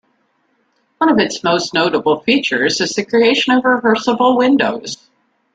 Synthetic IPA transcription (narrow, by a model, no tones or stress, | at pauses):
wʌ̃ñʌvɨtsmoʊstⁿnoʊɾəbl̩ˠfit͡ʃə˞zɨzðɨkʰɹ̥ieɪʃɨ̃nʌvɹɨvɜ˞səbl̩ˠwɪ̃ndoʊz̥